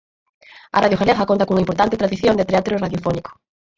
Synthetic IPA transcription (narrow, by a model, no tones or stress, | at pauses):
ɐ̰raðjoxelɛɣɐkont̪ɐkuŋaimp̬oɾt̪ant̪ɪt̪ɾaðiθjond̪et̪eat̪ɾoraðjofɔnikʊ̥